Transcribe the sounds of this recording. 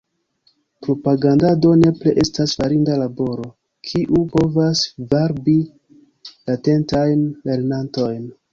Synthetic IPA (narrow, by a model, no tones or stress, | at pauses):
pɾo̞paɡandado̞ne̞pleʔe̞stasfaɾindalabo̞ɾo̞ | kʰiʔupo̞vasvaɾbi | late̞ntajnle̞ɾnanto̞jn